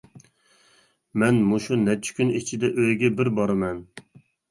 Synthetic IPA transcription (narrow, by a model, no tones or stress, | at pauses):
mɛnmuʃunɛt͡ʃʰi̥kʲynit͡ʃʰid̪ɛʔøjɡʲɛbɪɾbɑɾɨmɛn